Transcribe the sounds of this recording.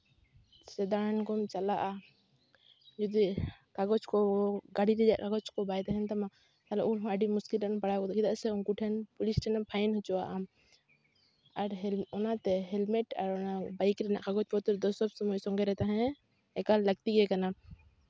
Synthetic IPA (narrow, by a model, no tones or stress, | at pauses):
sɛd̪aɽankɔmt͡ʃalaʔa | d͡ʒɔd̪ikaɡɔt͡ʃkɔɡaɽiɾɛd͡ʒaʔkaɡɔt͡ʃkɔbajt̪aɦɛnt̪ama | t̪alɔ̰ʔunɦɔ̃əɖimuskilɾaʔnpaɽakɔt̪kʰid̪aʔsɛunkuʈʰɛnpɔlisʈʰɛnapʰajnhɔt͡ʃɔwa̰ʔam | aɾɦɛlɔnat̪ɛɦɛlmɛʈaɾɔnabajkɾɛna̰ʔkaɡɔt͡ʃkɔt̪ɔɾd̪ɔsɔbsɔmɔjsɔŋɡɛɾɛt̪aɦɛ̃ | ɛkaləkt̪iɡɛkana